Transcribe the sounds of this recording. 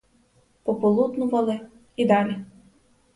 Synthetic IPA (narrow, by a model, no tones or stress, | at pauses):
pɔpɔlˠud̪nʊʋɐlˠɪ | id̪ɑlʲi